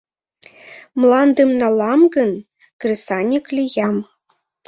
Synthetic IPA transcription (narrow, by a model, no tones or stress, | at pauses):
mlˠɑnd̪ɯmnɑlˠɑmɡɤ̆n | krʲisɑnʲiklʲijɑm